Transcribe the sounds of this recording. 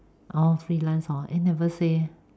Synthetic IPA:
ʔɔfɹilãnsɔa̰nɛvəse

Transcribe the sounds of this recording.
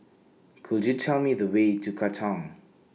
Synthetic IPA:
kʰuljutʰɛlˠmiðəweːtʰukʰatʰãŋ

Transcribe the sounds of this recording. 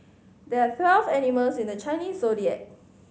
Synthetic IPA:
dɛat̪ʰwɛlvɛniməlsĩndət͡ʃãɪniːsːodiɛ̰t̚

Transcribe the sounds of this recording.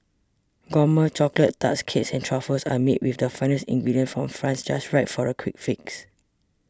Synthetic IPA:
ɡɔmət͡ʃɔklət̚ta̰tskʰetsɛ̃ntʰɹafəsamet̚wifdəfãɪ̃nəsḭ̃ŋɡɹidiə̃nfɹɔ̃mfɹãnsd͡ʒasɹaɪtfɔɹəkʰwik̚fiks

